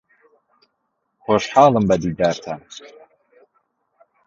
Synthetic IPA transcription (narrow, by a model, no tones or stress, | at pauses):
xoʃħaːlˠɨmbɐd̪iːd̪aːɾt̪ʰa